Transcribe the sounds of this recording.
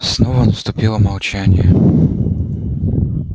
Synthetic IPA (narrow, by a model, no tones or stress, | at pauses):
snovənəst̪ʊpʲilˠəmɐlˠt͡ɕænʲɪ̰jə